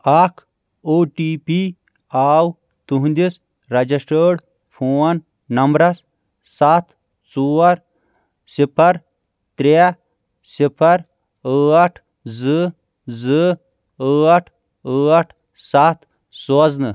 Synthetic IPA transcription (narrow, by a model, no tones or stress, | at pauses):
aːkʰ | oːʈiːpi | aːw | t̪uɦũnd̪is | ɾɐd͡ʒisʈəːɽ | pʰoːɐn | nɐmbɾɐs | sat̪ʰ | t͡suːɐɾ | sipʰɐɾ | t̪ɾea | sipʰɐɾ | əːɐʈʰ | zɨ | zɨ | əːɐʈʰ | əɐʈʰ | saːt̪ | soznɨ